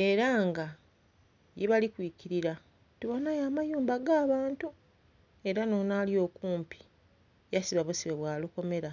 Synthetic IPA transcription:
e̞ːɾaŋɡa | jeβalikwiːciɾiɾa | tiβonajaːmajuːmbaɡaːβaːntu | e̞ɾano̞naːlio̞ːkuːmpi̥ | jasiβaβosiβeβwaːluko̞me̞ɾa

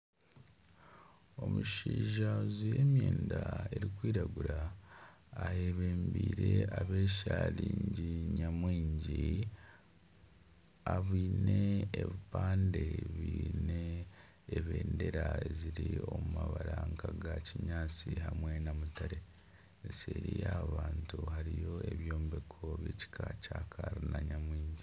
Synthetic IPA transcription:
o̞muʃiːʒazujemjeːndaeɾikwiːɾaɡuɾaː | heβeːmbiːɾe̞aβe̞ːʃaliːɲɟiɲamwiːɲɟi | aβiːneeβipaːndeβiːneː | βe̞ːnde̞ɾaziɾio̞mumaβaɾaːŋɡaɡaciɲaːt͡sihamwe̞namutaɾe̞ | nseɾijaβaːntuhaɾijo̞e̞βjoːmbekʰo̞βjeci̥kʰacakʰaɾunaɲamwiːɲɟi

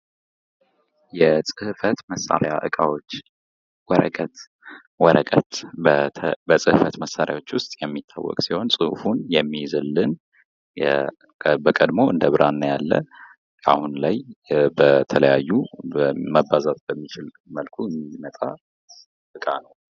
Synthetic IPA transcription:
jɛsʼɨhfət̪məsːa̰ɾjaʔɨkʼawot͡ʃː | wɔɾə̰kʼət̪ | wɔɾəkʼət̪ | bəsʼɨhɨfət̪məsːaɾja̰wo̞t͡ʃːwʊst̪ʼjɛmːit̪ʰːawːɔ̰kʼsiho̞nsʼɨhfunjɛmːijzɨlːɨn | jɛ | bəkʼəd̪mo̞ʔɨnd̪əβɨɾʔanːəjalːə̰ | a̰hunlajbət̪ʰələjajːu | məbːazat̪ʼbəmːit͡ʃʰɪl | məlkʰumimət̪ʼa | ʔɨkʼanəw

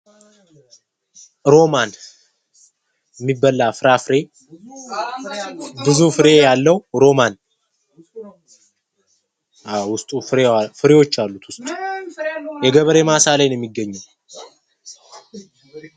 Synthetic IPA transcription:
ɾo̞man | jɛmːibːəlːafɨɾafɨɾe̞ | bɨzufɨɾe̞jalːəwɾo̞man | awʊst̪ʼufɨɾefɨɾewo̞t͡ʃːalːut̪wʊst̪ʼu̥ | jɛɡəβɾe̞masalajnjɛmːiɡːəɲːɨm

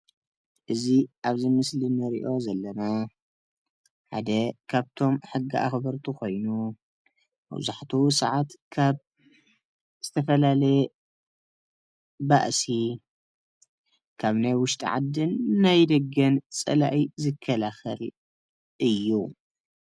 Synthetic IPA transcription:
ʔɨziʔaβzɨmɨslinɨɾḭʔo̞zɐlːɐna | ħa̰d̪ɐkʰaβt̪ʰo̞mħɨɡːiʔa̰xbɐɾt̪ʰukʰo̞jnu | mɐ̰βzaħt̪ʰusɐʕat̪kʰaβ | z̥ɨt̪ʰɐfɐlalɐje | ba̰ʔsi | kʰaβnajwʊʃt̪ʼḭʕa̰d̪ːɨnːajd̪ɐɡːɐnt͡sʼɐ̰laʔizɨkʰːɐlaxɐl | ʔɨjːu

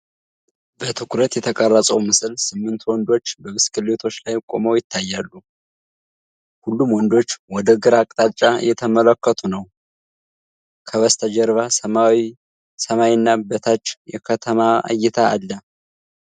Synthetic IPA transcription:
bət̪ʰɨkʰɾət̪jɛt̪ʰəkʼərːəsʼəwmɨsɨlsɨmːɨnt̪wɔnd̪o̞t͡ʃːbəmɨskʰɨlet̪ʰo̞t͡ʃːlajːkʼo̞̰məwjɪt̪ʰːajːalːu | hulːumwɔnd̪o̞t͡ʃːwɔd̪əɡɨɾakʼt̪ʼat͡ʃʼːajɛt̪ʰəmələkːət̪ʰunəw | kʰəβəst̪ʰəd͡ʒɛɾβasəmawi | səmawnːabət̪ʰat͡ʃːjɛkʰət̪ʰəmaa̰jːɛt̪ʰaalːə

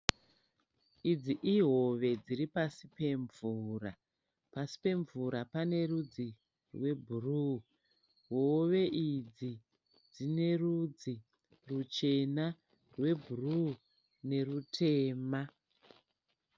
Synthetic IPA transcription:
id͡ziʔiɦo̞ʋe̞d͡ziɾipasipe̞ɱvuːra | pasi̥pe̞ɱvuɾapane̞rud͡zi | rwe̞bʱuru | ɦoʋe̞ʔid͡zi | d͡zine̞rud͡zi | rut͡ʃe̞na | rwe̞bʱuru | ne̞rutʰe̞ːma

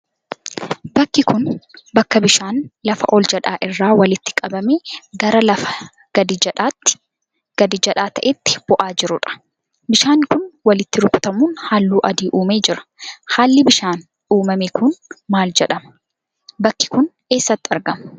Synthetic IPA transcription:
bɐkːɪkʊnbɐkːɐbɪʃaːnlɐfɐʔɔld͡ʒɐᶑaːʔɪrːaːwɐlɪt̪ːɪ̥kʼɐbɐmeːɡɐɾɐlɐfɐ̥ | ɡ̥ɐd̪ɪᶑːt̪ː | ɡ̥ɐd̪ɪd͡ʒɐᶑaːt̪ɐʔɛt̪ːɪ̥b̥ɔʔaːd͡ʒɪɾʊᶑɐ̥ | bɪʃaːnːkʊnwɐlɪt̪ːɪɾʊkʼʊt̪ɐmuːnhaːlːuːʔɐd̪iːʔuːme̞ːd͡ʒɪɾɐ̥haːlːɪbɪʃaːn | uːmɐmeːkʊnmaːld͡ʒɛᶑɐmɐ̥ | bɐkːɪ̥kʊn | e̞ːsːɐt̪ːɪɐɾɡɐmɐ

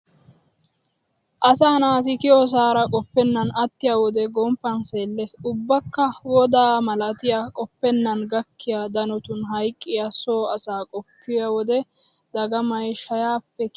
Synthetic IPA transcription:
ʔɐsaːnaːt̪ɪkɪɔs̬aːɾɐkʼɔpːɛnːɐnɐt̪ːɪjaːwɔd̪ɛɡɔmpːɐnse̞ːlːesʊbːɐkːɐwɔd̪aːmɐlɐt̪ɪjakʼɔpːɛnːɐnɡɐkːɪjad̪ɐnɔt̪ʊnɦɐjkʼːɪjɐsoːɐsaːkʼɔpːɪjawɔd̪ɛ | d̪̥ɐɡɐmɐjʃɐjaːpːɛ

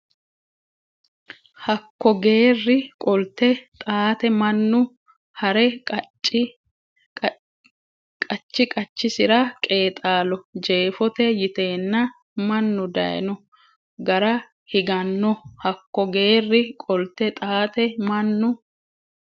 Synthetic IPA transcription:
hɐkːɔɡe̞ːrːɪkʼɔlt̪ɛt̪ʼaːt̪ɛmɐnːʊ | hɐɾɛ | kʼɐt͡ʃːɪkʼɐt͡ʃːɪsɪɾɐkʼe̞ːt̪ʼaːlɔd͡ʒe̞ːfɔt̪ɛjɪt̪e̞ːnːɐ | mɐnːʊd̪ɐ̰j̰nɔ | ɡɐɾɐ | hɪɡɐnːɔhɐkːɔɡe̞ːrːɪkʼɔlt̪ːɛt̪ʼaːt̪ɛmɐnːʊ

